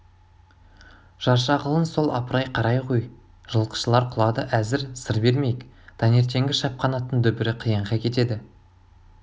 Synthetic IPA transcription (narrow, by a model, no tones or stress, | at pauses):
ʒ̥ɑɾʃɑʁəlˠənso̞lˠɑ̰pəɾɑjqʰɑɾɑjqʰoj | ʒ̥əlˠqə̥ʃəlˠɑɾqʰʊlˠɑd̪əʔæzɪɾsəɾbe̞ɾme̞jɪk | d̪̥ɑne̞ɾt̪e̞ŋɡʲɪʃɑp̚qɑnɑt̪ːənd̪ɵbɪɾɪqʰəjəɴʁɑkʲʰe̞t̪e̞d̪ɪ